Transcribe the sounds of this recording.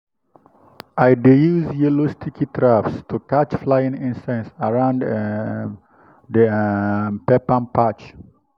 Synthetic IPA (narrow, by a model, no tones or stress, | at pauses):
ʔajdejusjɛlost̪ʰikʰitʰɾafstukat͡ʃflajĩnĩnsɛ̃nsaɹãwnd | dəmpɛpãnpat͡ʃ